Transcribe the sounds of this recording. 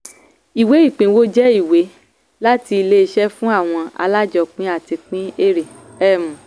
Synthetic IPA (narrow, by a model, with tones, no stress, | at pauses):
i˨we˨˦i˦˨k͡pĩ˨˦wo˦d͡ʒɛ˦i˦˨we˨˦ | la˦ti˧i˧le˦i˧ʃɛ˦fũ˦a˦˨w̃ɔ̃˧a̰˧la˦d͡ʒɔ˧k͡pĩ˦a˦˨ti˧k͡pĩ˦e˦˨ɾĩ˨ | ɛ˦˨mũ˨